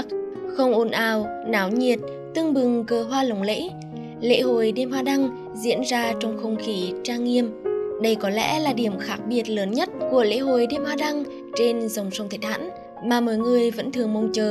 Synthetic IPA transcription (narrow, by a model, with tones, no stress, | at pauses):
k̚xə˧wŋ͡mʔo˨˩nʔaː˨˩wnaː˨˦wɲi˨˩ət̚ | t̪ɨ˧ŋɓɨ˨˩ŋkəː˨˩ɦwaː˧lə˨˩wŋ͡mlḛ˧˥ | lḛ˧˥ɦo˧˨˩jɗe˧mhwaː˧ɗa˧ŋ | zḭ˧˥ənzaː˧t͡ɕɔ˧wŋ͡mxə˧wŋ͡mxi˧˨˩t͡ɕaː˧ŋːi˧əmɗə˧jkɔ˨˦lɛ̰˧˥laː˨˩ɗi˧˩əmxaː˦˥k̚ɓi˨˩ət̚ləː˨˦nɲə˦˥t̚ku˧˩əlḛ˧˥ɦo˧˨˩jɗe˧mhwaː˧ɗa˧ŋ | t͡ɕe˧nzə˨˩wŋ͡msə˨˦wŋ͡mt̪ʰe˨˧˩t̚ha̰ː˧˥n | maː˨˩mɔː˧˨jŋɨ˨˩əjvə̰˧˥nt̪ʰɨ˨˩əŋmə˨˩wŋ͡mt͡ɕəː˨˩